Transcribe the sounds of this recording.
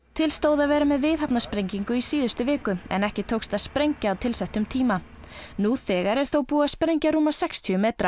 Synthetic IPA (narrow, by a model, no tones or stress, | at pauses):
t̪ʰɪlst̪oːwðavɛːɾamɛðvɪðɦapnaspɾejɲciŋkʏisiːðʏst̪ʏvɪːkʏɛ̰nɛhcɪt̪ʰowkst̪aðspɾejɲcaːwt̪ʰɪlsɛjht̪ʏmt̪ʰiːma | nuθɛːɣaɾɛɾ̥θowpuːaspɾejɲcaɾuːmasɛkst̪ʰyʏmeːt̪ɾa